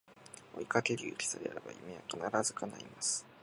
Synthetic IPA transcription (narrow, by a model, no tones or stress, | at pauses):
o̰ikat̪eɾʲiɯ̟ɾʲi̥saɾea̰ɾeba̰imeβakanaɾazɨkana̰imasɨ̥